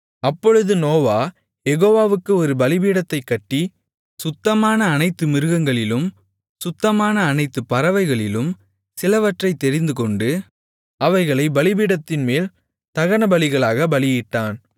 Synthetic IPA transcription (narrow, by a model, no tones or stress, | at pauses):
ɐpːɔɻɯðɯnoːʋaː | jɛɣoːʋaːʋɯkːɯɔɾɯbɐlɪbiːɽɐt̪ːɐɪkːɐʈːi | sʊt̪ːɐmaːnɐːnɐɪt̪ːɯmɪɾɯɣɐŋɡɐɭɪlɯm | sʊt̪ːɐmaːnɐːnɐɪt̪ːɯpːɐɾɐʋɐɪɣɐɭɪlɯm | sɪlɐʋɐʈrɐɪt̪ːɛɾɪnd̪ɯkɔɳɖɯ | ɐʋɐɪɣɐɭɐɪbɐlɪbiːɽɐt̪ːɪnmeːl | t̪ɐɣɐnɐbɐlɪɣɐɭaːɣɐbɐlɪjɪʈːaːn